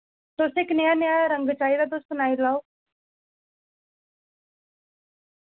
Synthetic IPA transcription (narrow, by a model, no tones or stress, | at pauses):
t̪osɪknɪjanejaɾəŋɡt͡ʃaːid̪ad̪ost̪naːilaːo